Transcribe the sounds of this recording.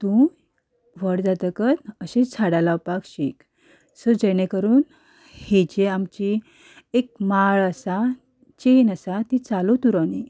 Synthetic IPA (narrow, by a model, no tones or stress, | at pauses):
t̪ũ | ʋəɽd͡zat̪əkət̪əɕẽt͡sʰaɽalawpakɕik | səd͡ʑenekəɾuːn | het͡ɕeamt͡ɕi | ek̚maɭəsa | t͡ɕenəsat̪it͡salot̪uɾani